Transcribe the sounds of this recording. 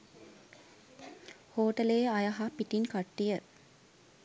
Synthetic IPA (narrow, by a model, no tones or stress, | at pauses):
hoːʈəleːajaɦapiʈinkaʈːijə